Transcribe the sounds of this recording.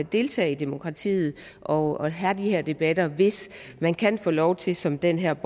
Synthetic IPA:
d̥e̝lt͡sʰɛ̰ːid̥emo̝kʰʁɑ̈t͡sʰḭːð̩ˠ | ʔɒ̽ɒɦæd̥iheɐ̰d̥e̝b̥æd̥ɐʋe̝smænkʰænfɔ̰ːlɒʊt͡sʰe̝lsɒ̽md̥enɦeɐ̰b̥

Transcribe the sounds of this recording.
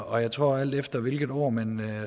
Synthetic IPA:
ɒ̽jɑ̈ɪt͡sʰʁo̝̰ɐæl̰d̥efd̥ɐʋe̝lɡ̥ð̩ˠo̝̰ɐ̰mæn

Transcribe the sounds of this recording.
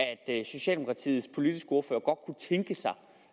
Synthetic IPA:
æd̥so̝ɕɛ̰ldemo̝kʰʁɑ̈t͡sʰḭːð̩ˠspʰo̝lid̥isɡ̥əo̝ɐfø̰ːɐɡ̥ɒ̽d̥̚kʰut͡sʰeŋɡ̥əsɑ̈ɪ

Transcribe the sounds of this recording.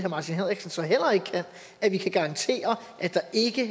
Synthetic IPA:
hæɐmɑ̈ːt͡sʰinɦeð̰ˠeɡ̥snsɒ̽ɦel̰ɐe̝ɡ̥əkʰæn̰ | ʔæʋikʰæɡ̥ɑ̈ʁɑ̈nt͡sʰe̝̰ːɐ | ʔæd̥ɑ̈e̝ɡ̥ə

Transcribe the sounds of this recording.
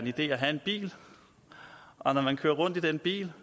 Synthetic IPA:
enid̥e̝̰ːæɦæe̝nb̥ḭːl | ʔɒ̽nɒmænkʰøːɐʁɔ̽n̰d̥id̥enb̥ḭːl

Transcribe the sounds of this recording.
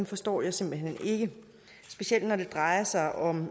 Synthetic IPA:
mfɒ̽sd̥ɒ̰ːjɑ̈ɪse̝m̰b̥l̩ɦhene̝ɡ̥ə | sb̥e̝siel̰d̥nɒd̥e̝d̥ʁɑ̈ɪɐsɑ̈ɪʔɒ̽m

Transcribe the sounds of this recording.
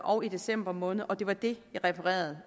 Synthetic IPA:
ʔɒ̽ʊid̥e̝sem̰b̥ɐmɔ̽ːnð̩ˠʔɒ̽d̥e̝ʋɑ̈d̥e̝jɑ̈ʁɛpʰɐʁɛ̰ːɐð̞̩ˠ

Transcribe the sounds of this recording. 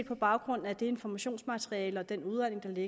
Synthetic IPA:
d̥̚pʰɒ̽b̥ɑ̈ʊɡ̥ʁɔ̽n̰n̩æd̥e̝e̝nfɒmæɕo̝̰ːnsmæt͡sʰʁiɛːləɒ̽d̥enuðˠʁæn̰e̝ŋd̥ɑ̈le

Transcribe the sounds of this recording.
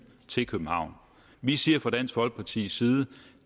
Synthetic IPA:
t͡sʰe̝lkʰøb̥m̩hɑ̈ʊ̰n | ʋisiɐfʁɑ̈d̥æn̰sɡ̥ʋɒ̽l̰ɡ̥̚pʰɑ̈t͡sʰḭːsiːðˠə

